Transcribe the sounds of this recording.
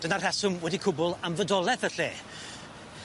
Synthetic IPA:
d̥ənar̥hɛsʊmwɛdikʰʊbʊlˠamvədɔlˠɛθəɬeː

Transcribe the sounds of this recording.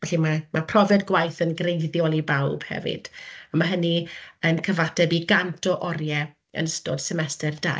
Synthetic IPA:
vɛɬimamapʰrɔvɛdɡwajθənɡrejðjɔlˠibawb̥hɛ̰vɪ̰d̥amaɦəniənkʰəvatʰɛbiɡantʰɔʔɔrjɛ | ə̰nəsto̰ːd̥sɛmɛstɛrda̰

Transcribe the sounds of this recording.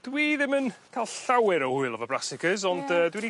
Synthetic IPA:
d̥wiːðɪmənkʰalˠɬawɪɾɔhuɨlˠɔvəbrasɪkʰəzɔndəːdwini

